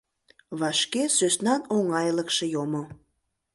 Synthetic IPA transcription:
βɑʃkesøsnɑnoŋɑjləkʃejomo

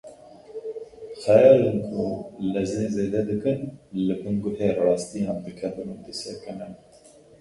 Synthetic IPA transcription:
xɛjɑːɾɪnkʰulɛznezeːd̪ɛd̪ɨkɨnlɨbɨŋɡʊheːrɑːst̪ijɑ̃ːnd̪ɨkʰɛbɨnud̪ɨsɛkɨnɨn

